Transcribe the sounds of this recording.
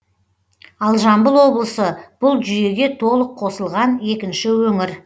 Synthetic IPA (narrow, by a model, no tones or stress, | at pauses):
ɑlˠʒɑmbəlˠwo̞blˠəsəb̥ʊlˠʒʏje̞ɡʲe̞t̪ʰo̞lˠəqʰːo̞səlˠʁɑne̞kʲɪnʃɪwɵŋɪɾ